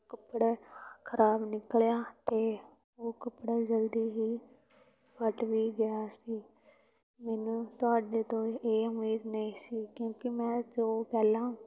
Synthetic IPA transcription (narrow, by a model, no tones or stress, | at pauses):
kəpːɽeːkʰəɾaːbnɪkljaːt̪eː | oːkəpɽaːd͡ʒəld̪iːɦiː | pəʈʋiːɡɪaːsiː | mɛːnũːt̪ʊaːɖeːt̪õːeːʊmiːd̪nəĩːsiːkjõːkɪmɛ̃ːd͡ʒoːpɛːlãː